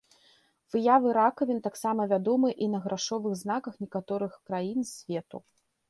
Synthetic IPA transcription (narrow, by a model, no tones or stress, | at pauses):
v̥ɨjavɨɾakɐvʲint̪aksamɐvʲad̪ɔmɨʔinɐɣɾʔaʂɔvɨɣznakɐxnʲɛkat̪ɔɾɨxkɾajinsʲvʲɛt̪ṵ